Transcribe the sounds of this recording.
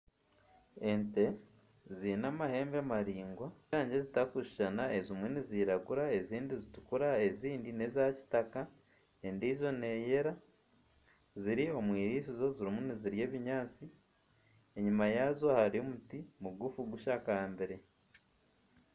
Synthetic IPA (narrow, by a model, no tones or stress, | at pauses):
e̞nte̞ | zinamahe̞ːmbeamaɾiːŋɡwaaːɲɟe̞zitakuʃi̥ʃanae̞zimwe̞niziːɾaɡuɾae̞ziːndizitu̥kuɾae̞ziːndine̞zaci̥taka | endiːzo̞ne̞je̞ɾa | ziɾio̞mwiːɾiːs̬izo̞ziɾimuniziɾje̞ːβiɲaːt͡si | e̞ɲumajazo̞haɾio̞mutimuɡufuɡuʃaːkaːmbeɾe̞